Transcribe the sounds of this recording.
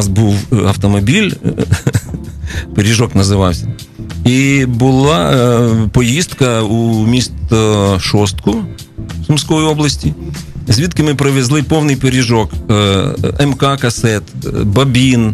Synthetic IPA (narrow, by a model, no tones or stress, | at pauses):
sbuwɐ̰wt̪ɔmɔbʲilʲ | peɾʲiʒɔknɐzɪʋɑwsʲɐ | ibʊlˠɑ | pɔjist̪kɐumʲist̪ʃɔst̪kʊ | sʊmsʲkɔjiɔblˠɐsʲtʲizʲʋʲit̪kɪmɪpɾɪʋezlˠɪpɔwnɪjpeɾʲiʒɔk | ɛmkɑkɐsɛt̪bɐbʲin